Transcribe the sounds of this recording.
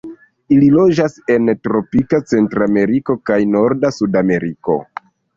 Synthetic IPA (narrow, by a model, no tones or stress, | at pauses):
ililo̞d͡ʒase̞ntɾo̞pikat͡se̞ntɾame̞ɾiko̞kajno̞ɾdasudame̞ɾiko̞̰